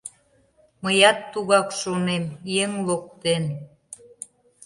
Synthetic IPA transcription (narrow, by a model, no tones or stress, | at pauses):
məjɑt̪ːuɣɑkʃonemjeŋlok̚t̪en